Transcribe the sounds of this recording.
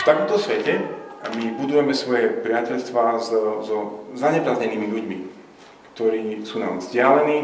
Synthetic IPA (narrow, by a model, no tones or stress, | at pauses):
ft̪akɔmt̪ɔsʋɛcɛamibud̪ujɛmɛsʋɔjɛpɾɪacɛʎst̪ʋaːzzɔzaɲɛpɾazɲɛniːmiʎuɟmi | kt̪ɔɾiːsuːna̰ːmzɟɪalɛniː